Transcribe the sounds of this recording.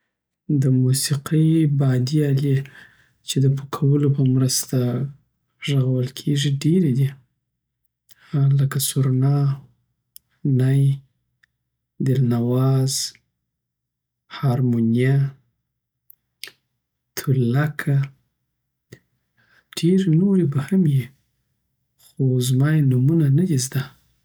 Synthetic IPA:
d̪əmusiqibɑd̪iɑle | t͡ʃed̪əpəkʰawəlopəmɾəst̪aa | ʒəɣawəlkʰeʐiɖeɾed̪i | ləkasuɾnɑ | naj | d̪ɪlnawɑz̥ | hɑɾmunija | t̪ʰʊlakʰa | ɖ̥eɾnoɾibahamji | xozmɑjenumunanad̪izd̪a

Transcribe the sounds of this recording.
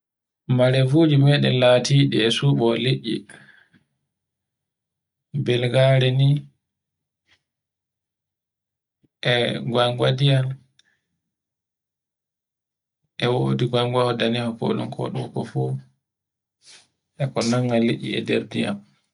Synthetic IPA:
maɾɛvoːd͡ʒimɛɗɛlaːtiːɗɛɛsuːɓɔliʔːḭ | bɛlɡaɾɛni | ʔɛɡwaŋɡwadijal | ʔɛwodiɡwaŋɡwahɔdanɛhɔkɔ̰ɗṵmkʰɔ̰ɗṵkɔfɔ | ʔɛkɔnaŋːalːiʔːḭɛ̰deɾdija̰m

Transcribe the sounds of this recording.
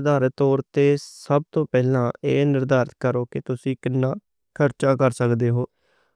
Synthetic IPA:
d̪aːɾət̪oːɾt̪eːsəb̚t̪õːpɛːlãːeːnɪɾd̪aːɾət̪kəɾoːkɪt̪ʊsĩːkɪnːãː | kʰəɾt͡ʃãːkəɾsəkd̪eːɦoː

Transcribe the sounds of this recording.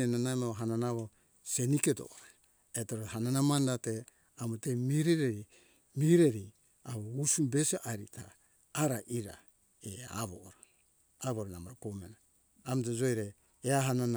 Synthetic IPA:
enanamaɦananaβo | seniketo̰ʔɾa | etoɾoɦananamandate | amutemiɾeɾeɾi | miɾeɾi | aβousumbesiʔaɾḭtʰaː | ɾaʔiɾa̰ | ea̰βo̰ɾa | aβoɾanamaɾokomenaː | mtod͡ʒojɾe | eaɦanan

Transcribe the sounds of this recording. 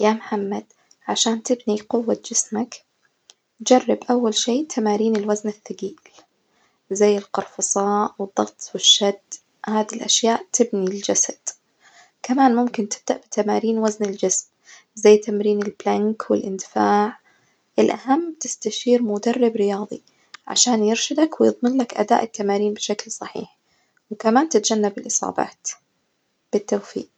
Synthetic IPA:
jaːmħamːad̪̥ | ʕaʃaːnt̪ɪbniqʊwːat̪̚d͡ʒɪsmak | d͡ʒarˤːɪbʔawːalʃiːʔt̪ʰamaːɾiːnɪlwaznɪθːaɡiːl | zajːɪlqɑɾˤfɑsˤɑːʔwɪd̪ˤːɑɣt̪ˤwɪʃːad̪ | haːðilʔaʃjaːʔt̪ɪbnild͡ʒasad̪̥ | kamaːnmʊmkɪnt̪ɪb̚d̪aʔbɪt̪amaːɾiːnwaznɪld͡ʒɪsm | zajːt̪amɾiːnɪlblaŋkwɪlʔɪnd̪ɪfaːʕ | ʔɪlʔahamːt̪ɪst̪aʃiːɾmʊd̪ɑrˤːɪbɾɪjɑːðˤi | ʕa̰ʃaːnjɪɾʃɪd̪akwɪjɨðˤmɪnlakʔa̰d̪a̰ːʔɪt̪ːamaːɾiːnbɪʃaklsˤɑħḭːħ | wkamaːnt̪ɪt̪d͡ʒanːabɪlʔɨsˤɑ̰ːbɑ̰ːt̪ | b̥ɪt̪ːawfḭːq̚

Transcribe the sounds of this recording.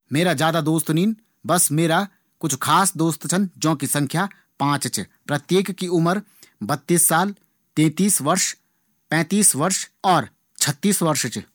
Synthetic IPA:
meːɾazjaːd̪ad̪oːst̪niːn | bɐsmeːɾa | kʊt͡ʃʰkʰaːsd̪oːst̪t͡ʃʰənd͡ʒõːkisɐ̃ŋkʰja | pãːt͡ʃt͡ʃpɾɐt̪jeːkːiʊməɾ | bɐt̪ːiːsːaːl | t̪ẽːt̪iːsʋɐɾʃ | pɛ̃ːt̪iːsʋɐɾʃɔːɾ | t͡ʃʰɐt̪ːiːsʋɐɾʃt͡ʃ

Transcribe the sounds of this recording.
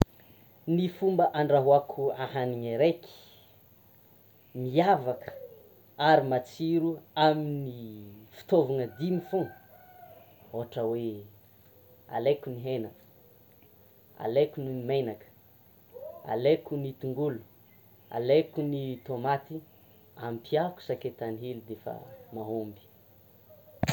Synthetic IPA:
nifumbəʔaɳɖ͡ʐaɦuakʰuaɦaniŋeɾeki̥ | miavakə̥ | aɾimat͡siɾuaminifi̥t̪ovanəd̪imifũ | oaʈ͡ʂəwe | a̰lekʲuniɦenakə̥ | a̰lekʲunimimejnakə̥ | a̰lekʲunit̪uŋɡulu̥ | a̰lekʲunit̪omat̪i | ampʰiaku̥saket̪aniɦelid̪efə̰maɦombi̥

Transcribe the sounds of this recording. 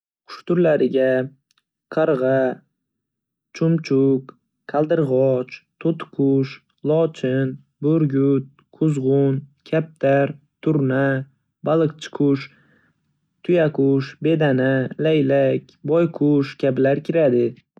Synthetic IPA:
qʰʊ̥ʃt̪ʊɾlaɾɪɡʲa | qʰɑɾʁɑ | t͡ʃʰʊmt͡ʃʰʊk | kʰalˠd̪ɪɾʁɒt͡ʃt̪ʰot̪qʰʊʃ | lˠɒt͡ʃʰɪn | boɾɡʲʊt̪̚ | qʰʊzʁʊnkʲʰap̚t̪ʰaɾ | t̪ʰʊɾna | balˠɨqt͡ʃʰɪ̥qʰʊʃ | t̪ʰʊjaqʰʊʃbe̞d̪analajlakʲbɒjqʰʊʃkʲʰabɪlaɾkʲʰɪɾad̪ɪ

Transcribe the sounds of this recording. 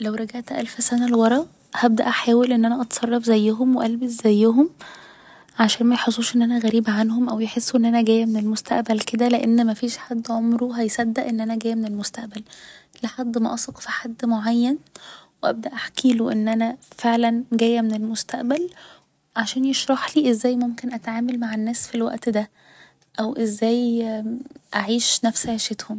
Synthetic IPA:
læwɾˤɑɡaʕt̪ʔæ̰lfsænælwɑɾˤɑ | hæb̚d̪æʔæħaːwelʔenːʔænæʔɑt̪sˤɑrˤːɑfzæjːæɦomweʔælbeszæjːæɦom | ʕaʃæːnmæjħosˤːuːʃʔenːʔænæɣæɾiːbʕanhomʔæwjeħesːuʔenːʔænæɡæːjæmenelmost̪æ̰ʔbælked̪æleʔenːmæfiːʃħad̪ːʕomɾuɦæjsæd̪ːæʔenːʔænæɡæːjːmenelmost̪æʔbæl | leħad̪ːmæʔɑsˤeqfiħad̪ːmoʕajːænweʔæb̚d̪æʔaħkiːloʔenːʔænæfeʕlænɡæjæmenelmost̪æʔbæl | ʕaʃæːnjeʃɾˤɑħliːʔezːæːjmomkenʔæt̪ʕaːmælmaʕenːæːsfilwæ̰ʔt̪d̪æ | ʔæwʔezːæːj | ʔaʕiːʃnæfsʕeʃet̪hom

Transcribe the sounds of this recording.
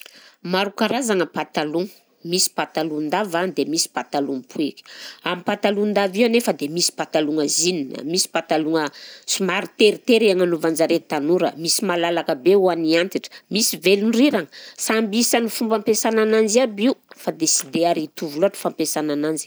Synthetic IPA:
maɾukaɾazaŋəpat̪aluŋə | misi̥pat̪alund̪avand̪emisi̥pat̪aluŋpuekʲi̥amipat̪alund̪avianefəd̪emisi̥pat̪aluŋəzininə̰misi̥pat̪aluŋəsumaɾit̪eɾit̪eɾiaŋanuvand͡ʒaɾet̪anuɾə̰misimalalakəbeuaniant̪iʈ͡ʂə̥misivelunriɾaŋəsambisanifumbampesananand͡ʒiabiufad̪esid̪eaɾit̪uvuluaʈ͡ʂə̥fampesananand͡ʒi̥

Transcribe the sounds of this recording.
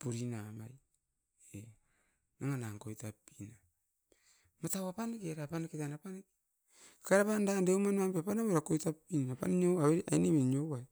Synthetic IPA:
puɾinamaj | e | naŋanaŋkojtapːina | matawapanekeɾapanaketanapaneki | kaeɾapandandeumanmampeapanaβeɾakojtapːinapa̰niɲowaweɾʔainemiɲowaj

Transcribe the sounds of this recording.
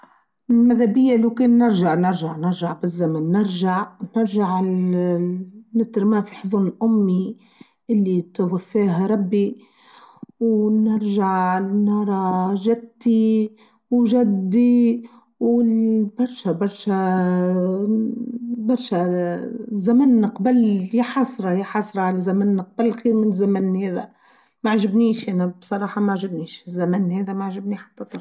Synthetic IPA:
lmad̪abɪjːalokeːnːɪɾʒaʕnɪɾʒaʕnɪɾʒaʕbɪzːamanːɪɾʒaʕnɪɾʒaʕ | nɪt̪ɾmaːfiħʊðˤuːɾɪlʔʊmːi | ʔɪlːit̪awafːaːɦaɾˤɑbːi | wnɪɾʒaʕnɑɾˤɑʒad̪ːi | wʒad̪ːi | wbɑɾˤʃæbɑɾˤʃæ | bɑɾˤʃæ | zæmænːqbæljɪħɑsˤɾˤɑjɪħɑsˤɾˤɑʕalæzæmænːq̚bælːxiːɾmɪnzæmænːhæːðæ̰ | maʕʒɪbniːʃʔænæbsˤɑɾˤɑːħɑmaʕʒɪbniːʃzːæmænːhæːðæmaʕʒɪbniħḁt̪ːæt̪ˤɑɾ

